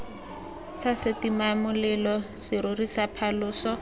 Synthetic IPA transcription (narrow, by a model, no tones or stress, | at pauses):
sasɪtimamʊlɛlɔsɪɾʊrisapʰalʊːsɔ